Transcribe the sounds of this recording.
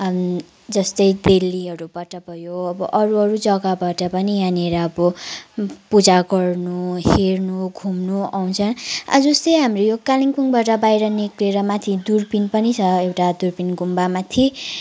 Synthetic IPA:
d͡zʌst̪ʌjd̪elːiɦʌɾubaʈʌbʱʌjoʌbʌʔʌɾuɦʌɾud͡zʌɡabaʈʌpʌnianeɾʌːbʌ | pud͡zaɡʌrnuhernuɡʱumnuaw̃t͡sʰʌna̰d͡zʌst̪ʌjɦamrojokaliŋpuŋbaʈʌbajɾʌnikleɾʌmat̪ʰid̪urpinpʌnit͡sʰʌewʈad̪urpinɡumbamat̪ʰi

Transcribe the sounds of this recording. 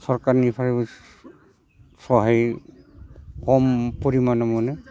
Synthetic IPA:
sɔɹkaɹnipʰaɹib | sɔɦaj | kɔmpoɹimanɔmɔnɯ

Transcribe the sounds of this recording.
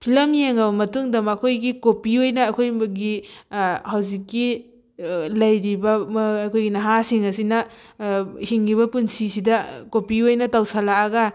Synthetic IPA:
pʰilɐmjeŋɐβɐmɐtuŋdɐmːkʰojɡikopiojnɐːkʰojɡi | hawzikːi | lɐjɾibɐkʰojɡinɐɦasiŋɐsinɐ | hiŋːiβɐpunsisidɐkopiojnɐtawsalaːɡɐ

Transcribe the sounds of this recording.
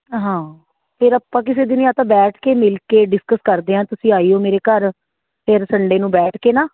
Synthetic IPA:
ɦãː | pʰɪɾəpːãːk̬ɪseːd̪ɪniãːt̪ãːbɛːʈʰkeːmɪlkeːɖɪskəskəɾd̪eːãːt̪ʊsĩːaːiːoːmeːɾeːkəɾ | pʰɪɾsəɳɖeːnũːbɛːʈʰkeːnaː

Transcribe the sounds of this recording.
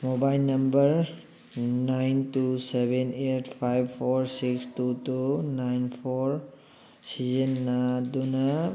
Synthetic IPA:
mobajlnɐmbəɾ | najntusebenetʰpʰajbpʰɔɾsikstutunajnpʰoɾ | sizenːaduna

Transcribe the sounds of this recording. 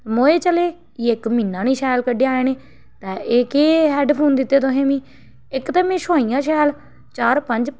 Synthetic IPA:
moːeːt͡ʃəleː | ɪkmĩːnːãːniːʃaːlkəɖeːaːeːneː | t̪ɛːeːkeːɦɛːɖpʰoːnd̪ɪt̪ːeːt̪ʊɦẽːmĩː | ɪkt̪əmẽːʃoːijãːʃɛːl | t͡ʃaːɾpəɲd͡ʒ

